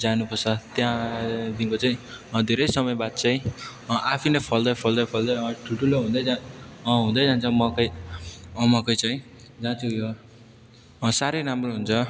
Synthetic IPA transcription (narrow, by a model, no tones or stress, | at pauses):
d͡zanupʌrt͡sʰʌt̪jãd̪inkot͡saĩd̪ʱeɾʌjsʌmʌjbad̪̚t͡saĩ | ʔapʰinʌjpʰʌld̪ʌjpʰʌld̪ʌjpʰʌld̪ʌjʌʈʰuʈuloɦũd̪ʌjd͡zaɦũd̪ʌjd͡zant͡sʰʌmʌkʌj | mʌkʌjt͡saĩ | d͡zãt͡sʰujo | saɾejɾamroɦunt͡sʰʌ